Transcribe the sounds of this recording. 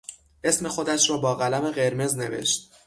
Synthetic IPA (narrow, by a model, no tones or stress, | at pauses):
ʔe̞sme̞xo̞d̪æʃɾɒːbɒːɣælæme̞ɣe̞ɾme̞zne̞ve̞̰ʃt̪̚